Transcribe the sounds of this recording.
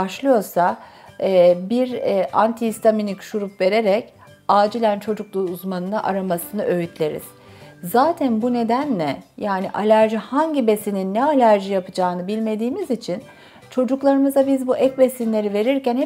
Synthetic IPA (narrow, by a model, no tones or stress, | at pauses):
aʃlˠɯjo̞ɾsa | ɛːbiɾɛant̪ʰiist̪ʰaminʲicʃuɾupve̞ɾe̞ɾɛc | aːd͡ʒilʲænt͡ʃʰo̞d͡ʒuklˠuuzmanɯnaʔaɾamasɯnɯʔøjyt̪ʰlʲe̞ɾḭz̥ | zaːt̪ʰænbune̞d̪ænlʲɛjaːniʔalʲæɾʒihaɲɟibesininːɛalʲæɾʒijapɯd͡ʒaːɯnɯbilʲme̞d̪iːmizit͡ʃʰin | t͡ʃʰo̞d͡ʒuklˠaɾɯmɯzabizbuʔɛcbesinlʲe̞ɾive̞ɾiɾcænhɛ